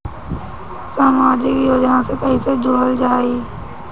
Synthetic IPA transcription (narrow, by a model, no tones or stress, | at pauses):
saːmaːd͡ʒɪkjoːd͡ʒnãsekəɦised͡ʒoɽəld͡ʒaːiː